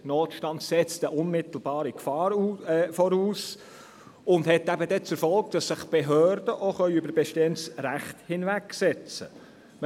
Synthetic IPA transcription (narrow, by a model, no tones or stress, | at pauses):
noːtʃtɑndsɛt͡st̪əʔʊnmɪt̪l̩bɑːɾikfɑːɾufɔɾuːs | ʊndhɦɛt̪ːæbəd̪ɛt͡sɛɾfɔlk̚d̥ɑsːɪχb̥eɦøːrd̥əʔoχœʏʏbəɾbɛʃteːənsɾæχthɪnvæksɛt͡sə̰